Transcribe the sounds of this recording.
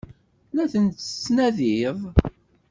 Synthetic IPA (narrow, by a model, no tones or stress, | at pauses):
læθənt̪ə̥snæðivˤ